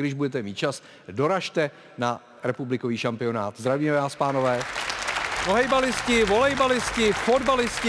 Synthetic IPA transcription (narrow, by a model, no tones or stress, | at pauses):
dɪʒbudɛt̪ɛmiːt̪̚t͡ʃas | do̞ɾaʃt̪ɛ | na | ɾɛpublɪko̞viːʃampɪo̞naːt̪zd̪ɾaviːmɛvaːspaːno̞vɛː | voɦɛjbalɪscɪvo̞lɛjbalɪscɪfo̞dbalɪscɪ